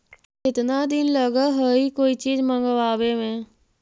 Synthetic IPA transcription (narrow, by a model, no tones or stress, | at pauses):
ɪt̪nãːd̪ɪnləɡaːɦəiːkoːiːt͡ʃiːzməŋɡəʋaːʋeːʋɛ̃ː